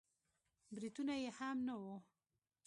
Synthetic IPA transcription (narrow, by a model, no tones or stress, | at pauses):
bɾit̪unajehamnawo